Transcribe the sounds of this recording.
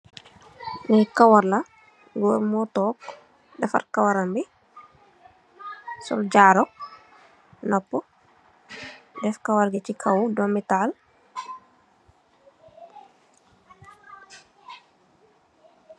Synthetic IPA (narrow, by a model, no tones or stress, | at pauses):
nɛkawaɾlɐ | ɡɔːɾmɔtɔːk | dɐfa̰ɾkawaɾambi | sɔ̰ld͡ʒaːɾɔk̚ | nɔpːɔ | dɛfkawaɾɡɛt͡ʃikʰawdɔmitaːl